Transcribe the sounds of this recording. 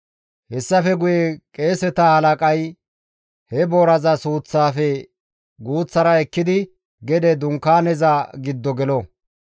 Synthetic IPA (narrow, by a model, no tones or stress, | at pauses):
hɛsːɐfɛɡʊjɛkʼe̞ːsɛt̪ahɐlɐkʼɐj | hɛboːɾɐzɐsuːt͡sːaːfɛ | ɡuːt͡sːɐɾɐɛkːɪd̪ɪ | ɡɛd̪ɛd̪ʊŋkːaːnɛzaɡɪd̪ːɔɡɛlɔ